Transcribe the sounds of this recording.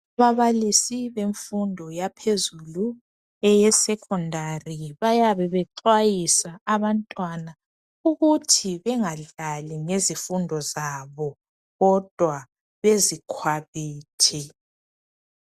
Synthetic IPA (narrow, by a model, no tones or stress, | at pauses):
aβaβalisiβeɱfundʱɔjapʰezulu | ɛjɛsɛkʰʼɔndʱariβajaβɛβɛǃwajisaːβantʼwana | uɣutʰiβɛŋaɮaliŋezifundʱɔzaβɔ | ɣɔd̥ʱwa | βezikʰwaβiːtʰɛ